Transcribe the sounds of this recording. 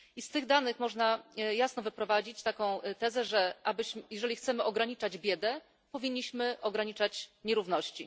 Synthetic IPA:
ist̪ɘɣd̪anɘxmɔʐnajasnɔvɘpɾɔvad͡ʑit͡ɕt̪akɔ̃w̃t̪ɛzɛʐɛʔabɘɕjɛʐɛlʲixt̪sɛmɘʔɔɡɾaɲit͡ʂad͡ʑbʲjɛd̪ɛ | pɔvʲiɲːiɕmɘʔɔɡɾaɲit͡ʂat͡ɕɲɛɾuvnɔɕt͡ɕi

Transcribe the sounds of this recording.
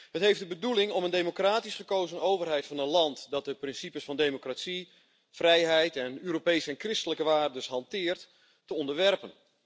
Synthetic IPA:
hətɦejfdəbədulɪŋɔməndejmokraːtisχəkowzənowvərɦɛjtfɑnənlɑntdɑt̚dəprɪnsipəsfɑndejmokratsi | frɛjɦɛjtɛnøːɾopejsəɛnkrɪstələkəʋaːrdəsɦɑntɪːrtː | əɔndəɹʋɛrpən

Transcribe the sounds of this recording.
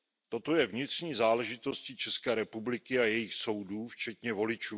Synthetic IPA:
t̪o̞t̪o̞jɛvɲɪt̪r̝̥ɲiːzaːlɛʒɪt̪o̞scit͡ʃɛskɛːɾɛpublɪkɪajɛjɪxso̞wduːft͡ʃɛt̪ɲɛvo̞lɪt͡ʃuː

